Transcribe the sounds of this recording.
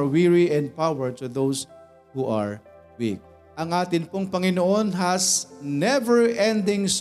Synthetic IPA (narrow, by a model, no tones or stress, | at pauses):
ɹwiɹiɛ̃nd̪̚pawɛɹt̪ʊðows | huʔa̰ɹ | wḭk̚ | ʔɐŋʔaːt̪ɪnpoŋpɐŋɪnoʔo̞nɦɐsnɛvɛɹʔɛ̃nd̪ɪŋs